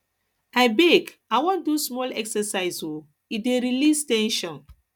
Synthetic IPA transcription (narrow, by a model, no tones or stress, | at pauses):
aɪbek | awɔ̃ndusmɔlɛksɛsaɪzo | ideɾilistɛ̃nʃɔ̃n